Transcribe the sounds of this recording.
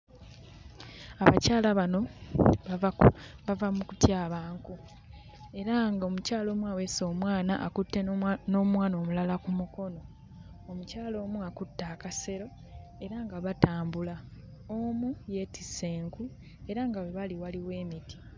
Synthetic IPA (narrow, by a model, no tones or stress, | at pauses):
aβa̰caːlaβano̞βavaβavamukutjaːβaːŋku | e̞ɾaŋɡao̞mucaːlo̞ːmwaweso̞ːmwaːnaʔːkutːeno̞ːmwaːno̞ːmulalakumuko̞no̞ | omucaːlo̞ːmuakutːaːkase̞ɾo̞ | e̞ɾaŋɡaβataːmbula | omuje̞ːtise̞ːŋku | e̞ɾaŋɡawe̞βaliwaliwe̞ːmiti̥